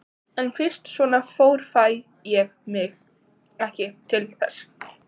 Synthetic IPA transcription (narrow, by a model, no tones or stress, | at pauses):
ɛnfɪr̥st̪svɔːnafoːwɾ̥faj | jɛɣmɪx | ɛhcɪt̪ʰɪlɪkθɛ̰s